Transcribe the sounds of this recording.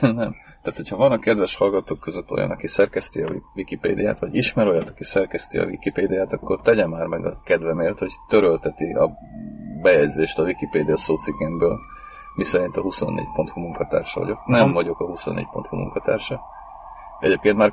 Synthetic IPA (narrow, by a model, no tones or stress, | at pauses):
nɛm | t̪aːt̪hocʰhɒvɒnɒkɛd̪vɛʃhɒlɡɒt̪oːkːøzøt̪ːojɒ̰nɒkisɛrkɛst̪iɒvikipḛːd̪ija̰ːt̪ʋɒɟiʃmɛɾojːɛt̪ɒ̥kisɛrkɛst̪iɒ̰vḭkipeːd̪ijaːt̪ɒkːo̞̰rt̪ɛɟɛmːaːrmɛɡɒ̰kɛd̪vɛmeːrt̪ho̞ct̪øɾølt̪ɛt̪iʔɒ̰ | bɛjɛɟzeːʃt̪ɒvikipeːd̪ijɒsoːt̪siɡɛmbøːl | misɛɾint̪ɒhuso̞nːḛːɟ̚po̞nt̪humuŋkɒt̪a̰ːrʃɒvɒ̰ɟo̞̰knɛɱvɒɟo̞kɒɦuso̰nːḛːc̚po̞nt̪humṵŋkɒt̪a̰ːrʃɒ | ɛ̰ɟeːp̚keːnt̪maːr